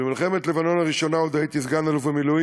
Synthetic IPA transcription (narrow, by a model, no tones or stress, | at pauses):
emilχemet̪levano̞naʁiʃo̞naod̪ajit̪izɡanaluvemilu